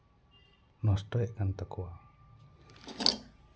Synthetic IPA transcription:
nɔsʈɔɛʔkant̪əkʰuwa

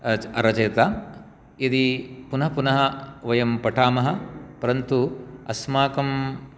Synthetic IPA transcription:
ɐɾɐt͡ʃɐjt̪aː | id̪ipunɐɦɐpunɐɦɐʋɐjɐmpɐʈʰaːmɐɦɐ̆pɐɾɐnt̪uɐsmaːkɐm

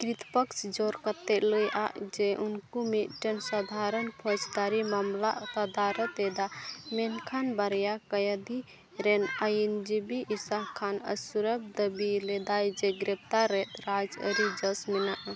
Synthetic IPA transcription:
kɾit̪pəkt͡ʃʰd͡ʒɔɾkət̪ːɛʔləjʔa̰ʔd͡ʒeʔunkumiʈənsəd̪ʱaɾənpʰɔt͡ʃd̪aɾimamlaʔt̪əd̪aɾət̪ed̪amenkʰanbəɾjakəjəd̪i | ɾɛnəjnd͡ʒibiisaɦkʰːanə̰suɾəb̚d̪əbilɛd̪ajd͡ʒeɡɾɛp̚t̪aɾːɛt̪ɾad͡ʒə̰ɾid͡ʒəsminaʔ

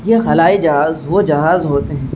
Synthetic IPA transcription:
jexɐlaːid͡ʒɐɦaːzʋod͡ʒɐɦaːzɦoːt̪eɦɛ̃ː

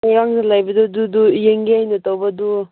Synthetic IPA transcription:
ajɾaŋzalajbɐdududujeŋɡiajnɐtawbɐdu

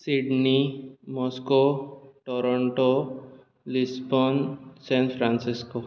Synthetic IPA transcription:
siɖnimɔskoʈɔɾɔɳʈo | lisbɔnsɛ̃npʰɾansisko

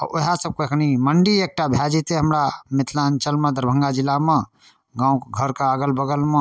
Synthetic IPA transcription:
ɔ̰ɾoɦasəb̚koekʰniməɳɖiek̚ʈabʱjad͡ʒit̪eɦəmɾamit̪ʰlaənt͡ʃəlmẽd̪əɾbʱə̃ŋɡad͡ʒilːamẽ | ɡãũkɡʱəɾkaaɡəlbəɡəlmẽ

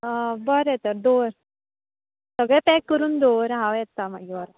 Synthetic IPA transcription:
əbəɾɛt̪əɾd̪oɾ | səɡɭɛpɛkːəɾuːnd̪oɾɦãʋjɛt̪ːamaɡiʋəɾ

